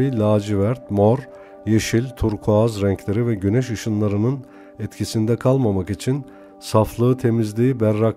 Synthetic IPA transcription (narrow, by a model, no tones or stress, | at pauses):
ilʲaːd͡ʒivæɾt̪moɾ | jeʃilʲt̪ʰuɾkʰoazɾɛɲcʰlʲe̞ɾivɛɟynɛʃɯʃɯnlˠaɾɯnɯn | ɛt̪cʰisind̪ɛkʰalˠmamakit͡ʃʰin | saflˠɯːɯt̪ʰe̞mizlʲiːbæɾːak